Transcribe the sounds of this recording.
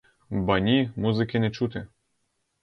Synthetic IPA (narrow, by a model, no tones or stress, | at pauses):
bɑnʲimuzɨkʲenʲet͡ʃut̪ʲɘ̆